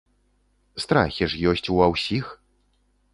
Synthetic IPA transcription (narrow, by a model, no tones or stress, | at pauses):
st̪ɾa̰xʲiʂjɔsʲt͡sʲuawsʲix